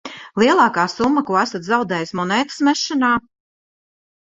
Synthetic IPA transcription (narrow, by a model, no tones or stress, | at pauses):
lˠiɛlˠɑːkaːsumːakuɔæsat̪zawd̪ɛːjismɔnɛːk̪smɛʃːanaː